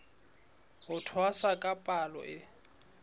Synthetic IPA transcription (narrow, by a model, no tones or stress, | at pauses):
ɦʊtʰɔaswakʼapʼalɔ̰ʔɪ